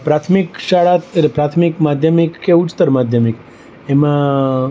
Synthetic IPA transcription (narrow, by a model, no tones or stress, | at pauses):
pɾat̪ʰmikʃaɭat̪epɾat̪ʰmikmad̪ʱjəmikːeut͡ʃt̪əɾmad̪ʱjəmik | emã